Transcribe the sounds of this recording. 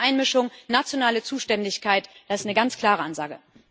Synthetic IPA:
ʔaɪnmɪʃʊŋnat͡sjonaːlət͡suːʃtɛndɪçkʰaɪtd̥asɪstnəɡant͡skʰl̥aːʁəʔanza̰ːɡə̰

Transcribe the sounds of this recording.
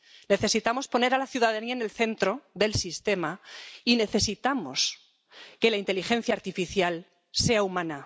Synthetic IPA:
ne̞θe̞sit̪amo̞spo̞ne̞ɾalaθjuðaðaniaene̞lθe̞nt̪ɾo̞ðe̞lsist̪e̞maine̞θe̞sit̪amo̞̰s | ke̞laint̪e̞lixẽ̞n̟θjaːɾt̪ifiθjal | se̞aumãna

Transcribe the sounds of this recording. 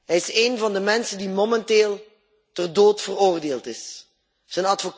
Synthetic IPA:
ɦɛjɪseːnvɑndəmɛnsədimomɛnteːlˠ | tərdoːtfəroːrdeːlˠtɪs | z̥ənɑtfok

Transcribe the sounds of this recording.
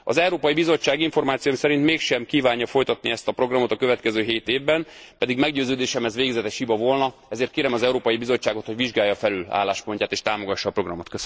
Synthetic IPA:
ɒ̰zɛwɾoːpɒjibizo̞t͡ʃːaːɡiɱfo̞rmaːt̪sijomsɛɾint̪meːkʃɛmkiːvaːɲːɒfo̞jt̪ɒt̪̚niɛst̪ɒpɾo̞ɡrɒmo̞t̪ɒkøvɛt̪kɛzøːɦeːt̪eːvbɛnpɛd̪iɡmɛɡɟøːzøːd̪eːʃɛmɛzʋeːɡzɛt̪ɛʃhibɒvo̞lnɒɛzeːrt̪̚keːɾɛmɒzɛuɾoːpɒjibizo̞t͡ʃːaːɡo̞t̪ho̞ɟʋiʒɡaːjːɒfɛlyla̰ːlːaːʃpo̞ɲcaːt̪eːʃt̪aːmo̞ɡɒʃːɒːpro̞ɡrɒmot̪kø

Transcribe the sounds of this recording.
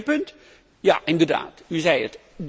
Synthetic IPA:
pɵnt | ja̰ːʔɪndəɹda̰ːtyzɛjət | d

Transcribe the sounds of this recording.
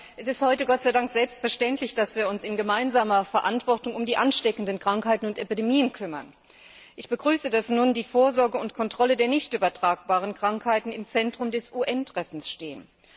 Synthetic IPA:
ʔɛsɪsthɔʏtəɡɔt̚t͡saɪdaŋkz̥ɛlpstfɛɐʃtɛntlɪçd̥asv̥iːɐʊnsɪnɡəmaɪnzaːmɐfɛɐʔantv̥ɔɐtʊŋʊmdiːʔanʃtɛkn̩dənkʁ̥aŋkhaɪtn̩ʊntʔepidemiːənkʰʏmɐ̰n | ʔɪçb̥əɡʁyːsədasnuːndiːfoːɐzɔɐɡəʊntkʰɔntʁ̥ɔlədeːɐnɪçtʔyːbɐtʁ̥aːk̚b̥aːʁ̞ənkʁ̥aŋkhaɪtn̩ɪmt͡sɛntʁ̥ʊmdɛsʔuːʔɛntʁ̥ɛfn̩sʃteːən

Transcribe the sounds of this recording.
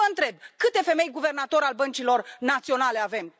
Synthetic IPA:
əɨnt̪ɾe̞b̚kɨt̪e̞fe̞me̞jɡuve̞rnat̪o̞ɾalbənt͡ʃilo̞rnat̪sio̞nale̞ave̞m

